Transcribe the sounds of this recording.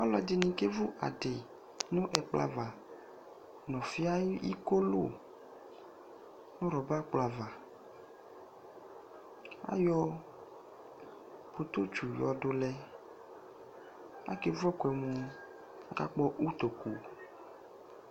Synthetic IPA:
ɔ˦lɔ̰˨di˨nĩ˨ke˦vu˦ʔa̰˨ɖe˨ | nõ˦ʔɛ˨k͡plʔa̰˦va˨ | nɔ̃˨fi˦a˦ḭ˦ko˦lo˦ | nõ˦ɾɔ˨ba˦k͡pla˨va˨ | a̰˦jɔ˦ | po˨t̪o˦t͡ʃu˨jɔ˨ɖo˨lɛ˦ | a̰˦ke˦vu˦ɔ˦kɛ˨mũ˨˦ | ka̰˦k͡pɔ˦ʔu˦t̪o˨ku˨

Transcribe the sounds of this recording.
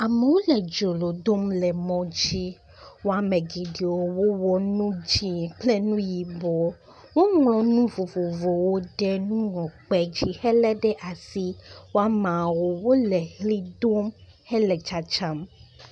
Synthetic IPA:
a˨mɛ˨wo˦lɛ˨d͡ʒo˨lo˨do˦mlɛ˨mɔ̃˦d͡ʑi˦ | wo˦a˨mɛ̃˨ɡi˨ɖi˨wo˨wo˦wɔ˦nũ˦d͡ʒi˦˨k͡plɛ˦nũ˦ji˨bɔ˨ | wo˦ŋlɔ̃˨nũ˦vo˨vo˨vo˨wo˦ɖɛ˦nũ˦ŋɔ̃˨k͡pɛ˨d͡ʑi˦hɛ˦lɛ˦ɖɛ˦ʔa˨si˦wo˦a˦mã˨wo˨wo˦lɛ˨hli˦do˦m | hɛ˦lɛ˨t͡ʃa˨t͡ʃã˦m

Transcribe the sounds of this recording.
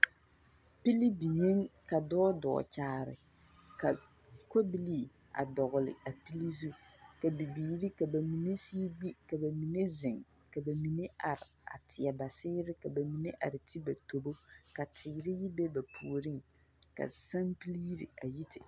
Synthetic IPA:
pi˦li˦bi˨ɲe˦ŋka˨dɔː˦dɔ̰˨t͡ʃaː˨˦˨ɾɪ̰˨ | ka˨ | ko˦bi˦li˦˨ | a̰˨dɔ˨ɣʊ˨lɪ̰˨a˨pi˦li˦zu˦ka˨bi˨biː˨ɾi˦ka˨ba˨mi˨ne˦siː˦ɡ͡bi˦ka˨ba˨mi˨ne˦zɪ˨ŋ | ka˨ba˨mi˨ne˦ʔa˨ɾɪ˨a̰˨tʰɪ˨a˨ba˨sɪː˦ɾɪ˦ka˨ba˨mi˨ne˦ʔa̰˨ɾɪ˨tʰɪ˦ba˨to˨bo˦ka˨tʰɪ˨ɾɪ˦jɪ˦bɛ˦ba˨pʰu˨ɾi˦ŋ | ka̰˨sa˦npi˦li˦ɾḭ˨a˨ji˦tʰɪ˨

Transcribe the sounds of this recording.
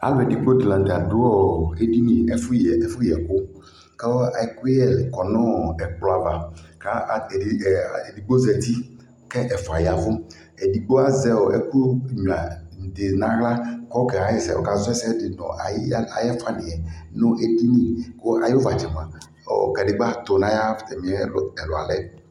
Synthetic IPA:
a̰˨vɛ˨di˨k͡po˦dɪ˨lã˨n˨t̪a˨d̪ʊ˦ɔ˦˨e˦di˦nĩ˨ɛ˦fu˦jɛ˨ɛ˨fu˦˨ɛ˨k͡po˦ | kɛ˦ɔ˦a˨ku˦ɛ˦lkɔ˨nɔ̃˦˨ɛ˨k͡plɔ˨˦a˨va˨ka˦˨di˨ɡ͡bo˦zɛ˨t̪i˦ | kɛ˦ʔɛ˨fɔ˨a˨ja˨vʊ˦ | ɛ˨di˨ɡ͡bo˦a˨zɛ˦o˨ʔɛ˦ku˦ɲu˨a˨d̪e˨nã˦ɣla˦kɔ˦kɛ˨a˨˦jɛ˦˨sɛ̰˨wɔ̰˨ka˨zʊ˦ɛ˦sɛ˦dɪ˨nɔ̰̃˨ʔa̰˨ja̰˨jɛ˦fa˦nɪ̃˨ɛ˨nʊ̃˦ʔe˦di˦nĩ˦˨ko˦a̰˨jva˨t͡ʃɛ˨mã˨ | o̰˨ka˨ɖɪ˨ɡ͡ba˦˨t̪ʊ˨nã˦ja˦ft̪ɛ˨mĩ˨ɛ˦lɛ˨lɔ˨a̰˨lɛ˦

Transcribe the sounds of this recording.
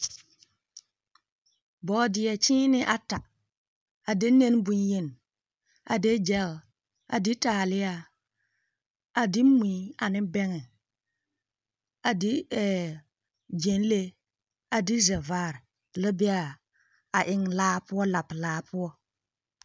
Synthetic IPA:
bɔː˨dɪ˨ɛ˨t͡ʃɪ̃ː˦nɪ˦ʔa˨ta˨ | a˨de˦ne˦n˦bu˦nje˦n˨ | a̰˨de˦d͡ʒɛ˦l | a̰˨dɪ˦taː˨lɪ˦a˦ | a˨dɪ˦mĩ˨˦a˨nɪ˦bɛ˦ŋɛ˨ | a˨dɪ˦ɛ˨ | d͡ʒe˨˦n˦le˦ | a˨dɪ˦zɛ˨vaː˦˨ɾ | lɪ˦bɪ˦a˨ | a˨ʔɪ˨ŋlaː˦pʊ˦ɔ˦la˨plaː˨˦pʰʊ˦ɔ˦

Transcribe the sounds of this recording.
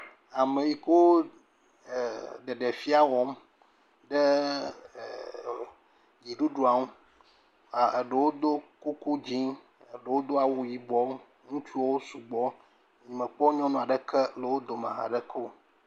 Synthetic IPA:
a˨mẽ˨ji˨ko˦˨ | ɖ̪e˨ɖe˨fi˦a˦wɔ˨˦m | ɖe˦˨ | ɡi˨ɖu˦ɖu˦a˨ŋũ˦ | a˨ɖe˨wo˦d̪o˦ku˦ku˦d͡ʑi˦ | e˨ɖe˨wo˦d̪o˦a˨wu˦ji˨bɔ˦ | ŋũ˦t͡ʃu˦o˦su˨ɡ͡bɔ˦ | ɲĩ˨mə̃˨k͡pɔ˦ɲɔ̃˦nũ˦a˨ɖə˨kʰɛ˦le˨wo˦d̪o˨ma̰˨ɦa̰˨ɖɛ˦kʰo˦˨

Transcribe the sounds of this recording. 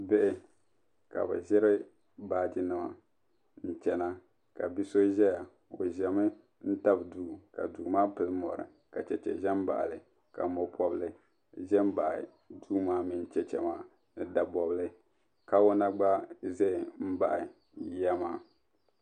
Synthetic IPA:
bɛ˦ʔɪ˨ | ka̰˨bɛ̰˨ʒɛ˦ɾɪ˦ | baː˦d͡ʒɪ˦nɨ˨ma̰˨ | n̩˨t͡ʃɛ˨na˦ | ka˨bi˦so˦ʒɛ˦ja˨ | o˨ʒɛ˨mɨ˦ | n̩˦ta˦bduː˦ka˨duː˨maː˦pɨ˨lɨ˦mɔ̰˨ɾɨ̰˨ | ka˨t͡ʃɛ˨t͡ʃɛ̰˨ʒɛ˦m˦ba̰˨ʔlɨ˨ | ka˨mɔ˨pʰɔ˦blɨ˦ | ʒɛ˦m̩˦ba˨ʔɪ̰˨ | duː˦maː˦mi˦n˦t͡ʃɛ˨t͡ʃɛ̰˨maː˦ | nɨ˨da˨bɔ˨blɨ˦ | ka˦o˦na˦ɡ͡ba˦zɛ˦˨m̩˦ba˨ʔɪ˨ | jɛ˦maː˦˨

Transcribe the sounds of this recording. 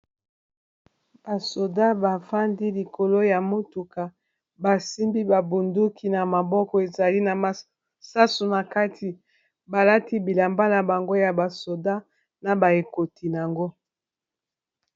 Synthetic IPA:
b̥a˨so˨da˦ba˨fa˦ndi˦li˨ko˨lo˦ja˨mo˦tu˨ka˨ | ba˨si˦mbi˦ba˨bu˨ndu˦kʰi˨na˨ma˨bɔ˦kɔ˦e˨za˨li˦na˨ma˨ | sa˦su˨na˨ka˦ti˨ | ba˨la˦ti˦bi˨la˨mba˦la˨ba˨ŋɡo˦ja˨ba˨so˨da˦ | na˨ba˨e˨ko˨ti˨n˨a˨ŋɡo˦

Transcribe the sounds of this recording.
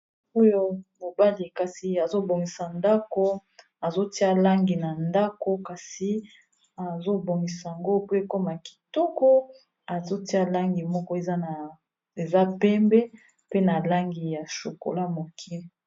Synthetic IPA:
o˦jo˦mo˨ba˦li˨ka˨si˨a˨zo˦bo˨ŋɡi˨sa˨nda˦ko˦ | a˨zo˦ti˦a˦la˦ŋɡi˨na˨nda˦ko˦ka˨si˨ | a˨zo˦bo˨ŋɡi˨sa˨ja˨ŋɡo˦pe˦ko˦ma˨ki̥˨tɔ˦kɔ˦ | a˨zo˦ti˦a˦la˦ŋɡi˨mɔ˦kɔ˦e˨za˦na˨ | e˨za˦pɛ˦mbɛ˦ | pe˦na˨la˦ŋɡi˨ja˨ʃo˨ko̰˨la˦mo˨kʰi˦

